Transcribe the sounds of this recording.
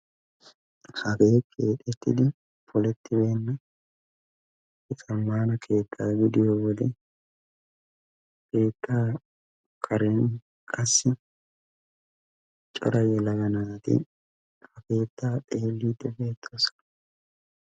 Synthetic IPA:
hɐɡeːkʰe̞ːᶑ̪ɛt̪ːɪ̰d̪ɪ | pɔlɛt̪ʰːɪbe̞ːnːɐ | ɪt͡sʼɐmːaːnɐkʰe̞ːt̪ʰːaːɡɪd̪ɪjowɔd̪ɛ | ke̞ːt̪ʰːaː | kʰɐɾen | kʼɐsːɪ | t͡ʃʼɔ̰ɾɐjɛlɐɡɐnaːt̪ɪ̰ | hɐke̞ːt̪ːaːt̪ʼe̞ːlːiːd̪ːɛbe̞ːt̪ʰːoːsɔ̥n

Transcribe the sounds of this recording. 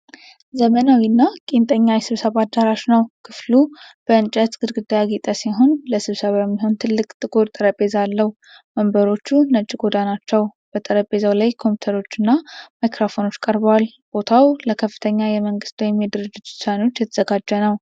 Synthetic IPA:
zəmənawinːakʼent̪ʼəɲːajɛsɨβsəβad̪aɾaʃnəwkʰɨflub̥əɨnt͡ʃʼət̪ɡɨd̪ɡɨd̪ajaɡit̪ʼəsiɦo̞nləsɨβsəβajɛmːiɦo̞nt̪ʰɨlːɨkʼt̪ʼɨkʼoɾt̪ʼəɾəpʼe̞zalːəh | məmbəɾo̞t͡ʃːunət͡ʃʼːiɡo̞d̪anat͡ʃːɛwb̥ət̪ʼəɾəpʼe̞zawlajkʰo̞mput̪ʰəɾo̞t͡ʃːɨnːamajkʰɾofono̞t͡ʃːkʼəɾbəwal | b̥o̞t̪ʰawləkʰəfːɨ̥t̪ʰəɲːajɛməŋɡɨst̪wjɛmːed̪ɨɾɨd͡ʒːɪt̪ɪsano̞t͡ʃːjɛt̪ʰəz̥əɡad͡ʒːənəw

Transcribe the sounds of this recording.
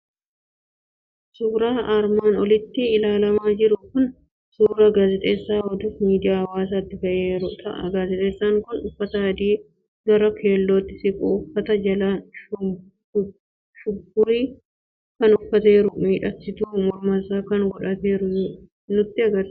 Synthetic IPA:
suːɾaːʔaɾmaːnɔlɪt̪ːɪɪlaːlɐmaːd͡ʒɪɾʊkʊn | suːɾɐɡaːzɛt̪ʼeːsːaːhɔd̪uːfmiːd̪ɪjaːɐwaːs̬aːt̪ːɪfɐʔeːɾʊt̪ʰɐʔɐ̰ɡaːzɛt̪ʼeːsːaːŋkʊnʊfːɐt̪ɐɐd̪iː | ɡɐɾɐkʰe̞ːlːoːt̪ːɪsɪkʼoːfːɐt̪ɐd͡ʒɐla | ʃʊɡːʊɾiː | kɐnʊfːɐt̪e̞ːɾʊmiːᶑɐtːɪt̪uːmɔɾmɐsaːkɐnɡɔᶑɐt̪eːɾʊ | nʊt̪ːɪɐɡɐɾ

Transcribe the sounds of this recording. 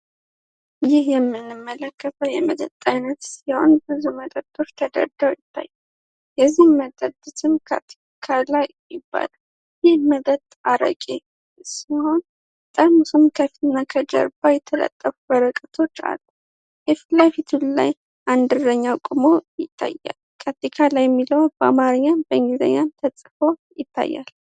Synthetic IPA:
jɪhjɛmːɨnːɨmːələkːət̪ʰəwjɛməd̪ət̪ʼajnət̪siho̞̰nbɨzuməd̪ʼəd̪ʼːo̞t͡ʃːt̪ʰəd̪ə̰ɾd̪awjɪt̪ʰːa̰jːɛ | jɛzːihmət̪ʼəd̪ɨt̪ʰɨmkʰa̰t̪ʰi̥ | kʰalaj | jɪbːa̰l | jɪhməd̪ət̪ʼaɾə̰kʼe | siho̞n | t̪ʼəɾmusɨmkʰəft̪nːakʰəd͡ʒə̰ɾbajɛt̪ʰələ̰t̪ʼːəfubəɾəkʼət̪ʰo̞t͡ʃːa̰lːə | ʔɨflajfit̪ʰulla̰j | ʔand̪ɨɾəɲːakʼumo̞jɪt̪ʰːa̰jːa̰lkʰat̪ikʰalajɛmːiləwbəamaɾəɲːanbəŋɡizə̰ɲːant̪ʰəsʼfo̞jɪt̪ʰːa̰jːa̰l

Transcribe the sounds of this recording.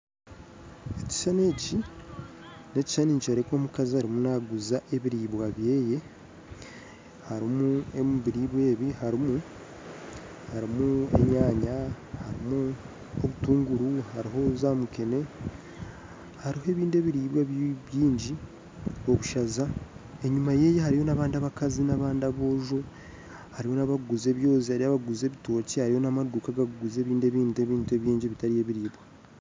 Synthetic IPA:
eci̥sane̞ːci | ne̞ci̥ʃaniːɲt͡ʃaɾekoːmukaziaɾimunaɡuzaʔe̞βiɾiːβwaβje̞ːje̞ | haɾimuemuβiɾiβwe̞ːβihaɾimu | haɾimue̞̰ɲaːɲa | haɾimu | oβutuːŋɡuɾuhaɾiɦo̞zaːmukene̞ | haɾihoe̞ːβiːndeβiɾiːbwaββjiːɲɟi | o̞βuʃazae̞ɲumaje̞jehaɾijo̞naβaːndiaβakazinaβaːndaβo̞ːʒo̞ | haɾiho̞naβaɡuze̞ːβjo̞ːzihaɾiaβaɡuze̞ːβito̞ːcihaɾijo̞namaduːkaɡaɡuɡuze̞ːβiːnde̞βiːnde̞βiːntueβjiːɲɟiβitaɾije̞ːβiɾiːbwa

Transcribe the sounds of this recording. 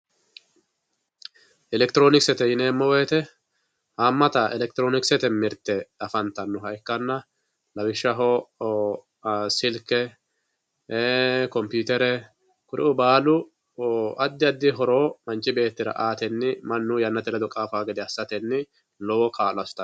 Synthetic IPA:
ʔɪlɛkt̪ɪɾoːnɪksɛt̪ɛjɪneːmːɔweːt̪ɛ | haːmːɐt̪ɐʔɛlɛk̚t̪ɪɾoːnɪksɛt̪ɛmɪɾt̪ːɛɐfɐnt̪ɐnːʊɦɐjkːɐnːɐ | lɐwɪʃːɐɦɔ | sɪlkːɛ | kɔmpjuːt̪ɛɾɛ | kʊɾʔɪ̰ʔʊbaːlʊ | ʔɐd̪ːɪɐd̪ːɪɦɔɾo̞ːmɐnt͡ʃːɪbe̞ːt̪ːɪɾɐ̰ʔaːt̪ɛnːɪmɐnːujɐnːɐt̪ɛlɛd̪ʊkʼaːfaːɡɛd̪ɛɐsːɐt̪ɛnːɪ | lɔwɔkʰaːlɐsʊ̥t̪ɐ

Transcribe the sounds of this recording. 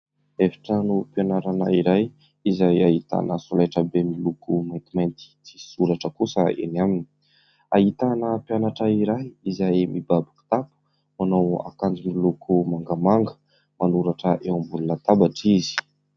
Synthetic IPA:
efi̥ʈ͡ʂənuponaɾanaiɾaj | izajaɦit̪a̰nəsolaʈ͡ʂəbemilukumajnt̪imajnt̪i̥t͡si̥suɾaʈ͡ʂəkusəḛnamini̥ | aɦit̪anəpjanaʈ͡ʂaiɾajizajmʔibabi̥ku̥t̪apu̥ | manawa̰kand͡ʒimilukʰumaŋɡamaŋɡə | manuɾaʈ͡ʂəʔewambulunət̪abaʈ͡ʂizi̥

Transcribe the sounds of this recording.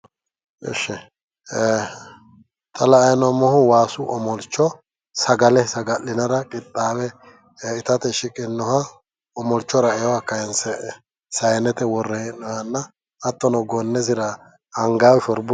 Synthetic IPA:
ɛ̰ʃːɛ | t̪ʰɐlɐːjnɔmːɔhʊwaːsʊʔɔmɔlt͡ʃːɔ | sɐɡɐlɛsɐɡɐlːɪnɐɾɐkʼɪt̪ʼːaːwɛ | ɪt̪ɐt̪ɛʃɪkʼɪnːɔhɐ | ɔmɔlt͡ʃːɔɾɐɛwɐkɐjɛnsɛ | sɐjɛnɛt̪ɛwɔrːɛhɛnːɔhɐnːɐː | t̪ːɔnɔɡɔnːɛs̬ɪɾɐː | ŋɡaːwʃɔɾbʊ

